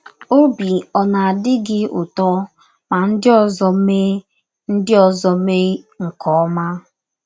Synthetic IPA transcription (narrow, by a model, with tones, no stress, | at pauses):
o˦bi˨ɔ˨na˨a˨dɪ˦ɡɪ˦ʊ̰˨tɔ˦ | ma˨n̩˦dɪ˦ɔ˨zɔ˦me˦ | n̩˦dɪ˦ɔ˨zɔ˦me˦ | ŋ̩˨kʰɔ˦ɔ˦ma˦